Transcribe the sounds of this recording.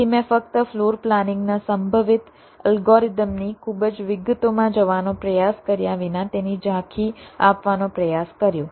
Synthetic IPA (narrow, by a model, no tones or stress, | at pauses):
imẽfək̚t̪əfloɾplanɪ̃ŋɡnasəmbʱəʋɪt̪ | əlɡoɾid̪əmnikʰubəd͡ʒʋɪɡət̪omãd͡ʒəʋanõpɾəjaskəɾjaʋinãt̪enid͡ʒãkʰiapʋanõpɾəjaskəɾjõ